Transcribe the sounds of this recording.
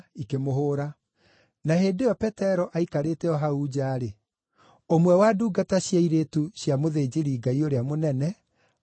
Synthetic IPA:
ikemoɦoːɾa | naheːdeɔpɛtɛɾɔʔaikaɾetɛɔɦauːd͡ʑaːɾe | omwɛwaduːɡataɕjaiɾeːtuɕjamoðeːd͡ʑeɾiɡaioɾeamonɛnɛ

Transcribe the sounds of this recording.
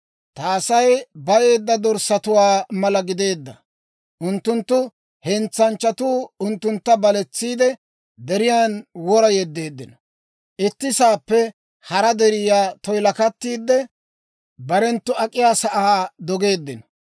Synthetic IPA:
t̪aːsɐjbɐje̞ːd̪ːɐd̪ɔɾsɐt̪ʊwaːmɐlɐɡɪd̪e̞ːd̪ːɐ | ʔʊnt̪ːʊnt̪ːʊ | hɛnt͡sːɐnt͡ʃːɐt̪uːʊnt̪ːʊnt̪ːɐbɐlɛt͡sːiːd̪ɛ | d̪ɛɾɪjaːnwɔɾɐjɛd̪ːe̞ːd̪ːɪnɔ | ʔɪt̪ːɪsaːpːɛ | hɐɾɐd̪ɛɾɪjaːt̪ɔjlɐkɐt̪ːiːd̪ːɛ | bɐɾɛnt̪ːʊɐkʼːɪjaːsɐʔaːd̪ɔɡe̞ːd̪ːɪnɔ̥

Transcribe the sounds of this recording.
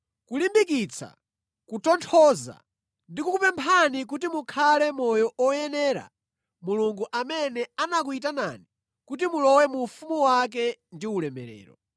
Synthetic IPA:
kulimbik̬it͡sʰa̰ | kutɔntʰɔza̰ | ndikukupɛmpʰanik̬utimukʰalɛmɔjɔʔɔjɛnɛːɾa̰ | muluŋɡuʔamɛnɛanakuit̬ana̰ni | kutimulɔwɛmufumuwak̬ɛndiulɛmɛ̰ɾɛ̰ːɾɔ̰

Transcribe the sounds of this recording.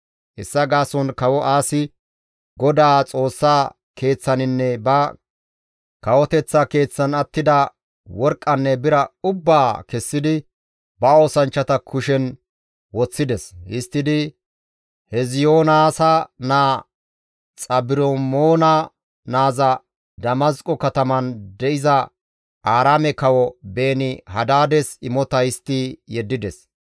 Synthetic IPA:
ʔɪsːɐɡaːsɔnkɐwɔʔaːsɪ | ɡɔd̪aːt͡sʼo̞ːsːaː | ke̞ːt͡sːɐnɪnːɛbɐ | kɐwɔt̪ɛt͡sːɐke̞ːt͡sːɐnɐt̪ːɪd̪ɐ | wɔɾkʼːɐnːɛbɪɾɐʊbːaːkɛsːɪd̪ɪ | bɐo̞ːsɐnt͡ʃːɐt̪ɐkʰʊʃɛn | wɔt͡sːɪd̪ɛshɪst̪ːɪd̪ɪ | hɛzɪjoːnaːsɐnaː | t͡sʼɐbɪɾomoːnɐ | naːzɐ | d̪ɐmɐskʼɔkɐt̪ɐmɐnd̪ɛʔɪzɐ | ʔaːɾaːmɛkɐwɔbe̞ːnɪhɐd̪aːd̪ɛsɪmɔt̪ɐɪst̪ːɪjɛd̪ːɪd̪ɛs

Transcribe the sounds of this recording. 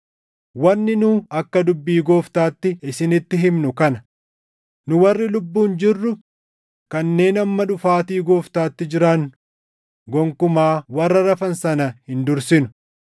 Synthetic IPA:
wɐnːɪnuːɐkːɐd̪ʊbːiːɡoːft̪aːt̪ːɪɪsɪnɪt̪ːɪɦɪmnʊkɐnɐ | nʊwɐrːɪlʊbːuːnd͡ʒɪrːʊ | kɐnːe̞ːnɐmːɐᶑʊfaːt̪iːɡoːft̪aːt̪ːɪd͡ʒɪɾaːnːʊ | ɡɔŋkʊmaːwɐrːɐɾɐfɐnsɐnɐhɪnd̪ʊɾsɪnʊ̥

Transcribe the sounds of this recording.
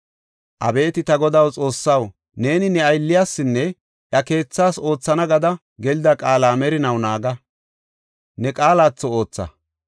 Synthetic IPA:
ʔɐ̰be̞ːt̪ɪt̪ɐɡɔd̪ɐwt͡sʼo̞ːsːɐw | ne̞ːnɪnɛɐjlːɪjaːsːɪnːɛ | ʔjɐke̞ːt͡sːaːso̞ːt͡sːɐnɐɡɐd̪ɐ | ɡɛlɪd̪ɐkʼaːlaːmɛɾɪnɐwnaːɡɐ | nɛkʼaːlaːt͡sːɔoːt͡sːɐ̰

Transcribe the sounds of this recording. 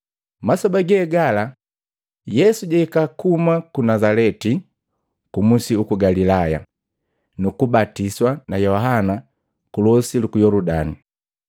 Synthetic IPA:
masɔbaɡɛɡala | jɛsuɟaikakumakunazalɛti | kumusiukuɡalilaja̰ | nukubatiswanajɔɦana | kulɔsilukujɔludani

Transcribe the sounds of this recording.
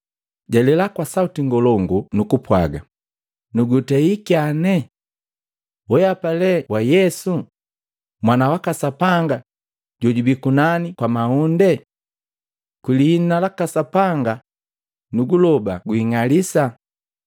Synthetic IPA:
ɟɛlɛlakwasautiŋɡɔlɔŋɡunukupwa̰ɡa | nuɡutɛikianɛ | wɛjapalɛwajɛsu | mwanawakasapaŋɡa | ɟɔɟubikunanikwamaundɛ | kwilihːnnalakasapaŋɡa | nuɡulɔbaɡuiŋalisa

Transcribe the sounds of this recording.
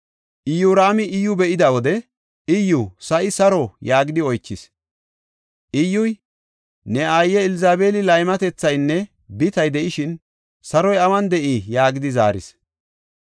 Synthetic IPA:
ʔɪjuːɾaːmɪʔɪjʊbɛʔɪd̪ɐwɔd̪ɛ | ɪjːʊsɐʔɪsɐɾɔjaːɡɪd̪ɪɔjt͡ʃːɪs | ʔɪjːʊj | nɛaːjːɛɪlɪzaːbeːlɪlɐjmɐt̪ɛt͡sːɐjnːɛ | bɪt̪ɐjd̪ɛʔɪʃɪn | sɐɾɔjɐwɐnd̪ɛʔijaːɡɪd̪ɪza̰ːɾɪ̰s

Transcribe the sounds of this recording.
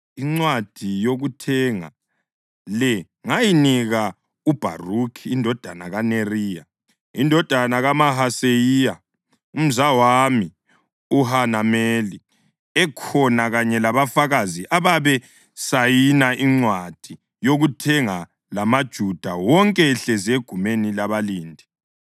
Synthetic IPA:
iŋ͡ǀwad̥ʱijoɣutʰɛŋa̰ | lɛ | ŋajiniɣa | ub̥ʱa̰rukʰiːndʱɔd̥ʱanaɣaneriːja̰ | indʱɔd̥ʱanaɣamaɦasejija | um̩zawami | uɦanameli | ɛkʰɔnaɣaɲɛlaβafaɣaziʔaβaβɛ | sajinaʔiŋ͡ǀwad̥ʱi | joɣutʰɛŋa | lamad̥ʒ̥ʱud̥ʱawɔŋkʼɛɬɛzeɡ̥ʱumenilaβaliːndʱi

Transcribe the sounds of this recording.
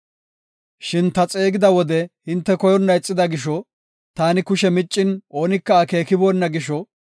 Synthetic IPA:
ʃɪnt̪ɐt͡sʼe̞ːɡɪd̪ɐwɔd̪ɛhɪnt̪ːɛkɔjɔnːɐɛt͡sʼːɪd̪ɐɡɪʃɔ | t̪aːnɪkʊʃɛmɪt͡ʃʼːɪnʔo̞ːnɪkːɐːke̞ːkɪbɔnːɐɡɪʃɔ

